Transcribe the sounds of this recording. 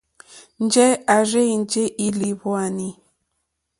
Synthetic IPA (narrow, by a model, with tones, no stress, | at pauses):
n˦d͡ʒɛ˦a˨re˦i˨n˦d͡ʒe˦ʔi˦li˨βwa˨ni˦